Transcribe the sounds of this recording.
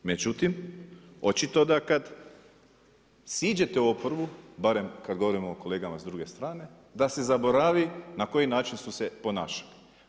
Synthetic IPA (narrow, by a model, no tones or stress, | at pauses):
me̞d͡ʒut̪imo̞t͡ʃit̪o̞d̪akad̪ | siːd͡ʑe̞t̪e̞uopoɾbubaɾe̞mkad̪ɡo̞ʋo̞ɾimoːko̞le̞ːɡamazd̪ɾuɡe̞st̪ɾaːne̞ | d̪ase̞zabo̞ɾaʋinako̞jinaːt͡ʃinst̪usepo̞naːʃḁli